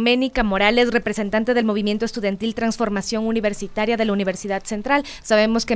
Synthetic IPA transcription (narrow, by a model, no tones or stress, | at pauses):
mẽ̞nikamo̞ɾale̞srepɾe̞se̞nt̪ant̪e̞ðelmo̞β̞imje̞nt̪oest̪uðjant̪ilt̪ɾansfo̞ɾmasjo̞ŋuniβ̞e̞ɾsit̪aɾjaðe̞launiβe̞ɾsiðaðse̞nt̪ɾal | saβe̞mo̞ske